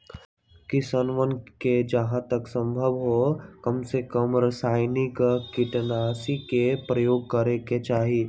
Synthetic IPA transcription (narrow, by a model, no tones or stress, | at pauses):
kisənʋənked͡ʒɐɦãt̪əksə̃mbʱəʋɦokəmsekəmɾɐsaːjnɪkkiʈnaːsikepɾəjoːɡ̚kəɾeket͡ʃaːɦi